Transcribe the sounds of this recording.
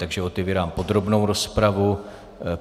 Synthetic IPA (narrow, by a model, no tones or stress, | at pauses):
t̪aɡʒɛot̪ɛviːɾaːmpo̞d̪ɾo̞bnowɾo̞spɾavu